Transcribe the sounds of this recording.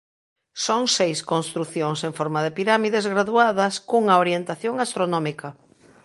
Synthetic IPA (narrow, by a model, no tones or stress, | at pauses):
soŋsejskonst̪ɾuθjoŋseɱfɔɾmaðɪpiɾamiðezɣɾaðuaðɐskuŋɐoɾjent̪aθjoŋast̪ɾonɔmikɐ